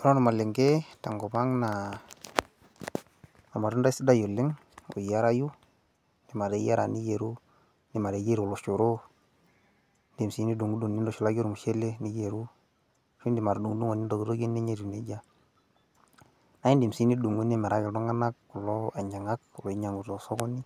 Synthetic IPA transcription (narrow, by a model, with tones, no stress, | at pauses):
ɔ˦ɾɔ˦nɔ˨ma˨le˨ŋɡe˦ta˨ŋɡɔ˨ba˦ŋna˨ | ɔ˨ma˨du˦nda˦si˦da˦jo˨le˦ŋ | o̰˨ja˦ɾa˦ju˦ | ndi˨ma˨ɾe˨˦ja˦ɾa˨ni˦je˨ɾu˦ | ni˨ma˨ɾe˨˦ɡe˦ɾo˨lo˨ʃo˨ɾo˦ | ndi˨msi˨˦ni˦du˨ŋu˦du˨ni˦ndɔ˨ʃu˨la˦ɡo˦ɾu˨mu˨ʃe˦le˦ni˦je˨ɾu˦ | ʃu˦ndi˨ma˨ɾdu˨ŋu˦du˦ŋo˨ni˦ndo˨ɡe˨ɾo˦ɡe˦ne˦ɲe˦ɾu˨ne˦ɟa˦ | na˨˦i˦ndi˨msi˦ni˦du˨ŋu˦ne˦me˨ɾa˦ɡe˨dɔ˦ŋa˦na˦kːu˨lɔ˦a˨ɲa˨ŋa˦klo˨i˦ɲa˨ŋu˨to˨so˦ɡɔ˦ni˦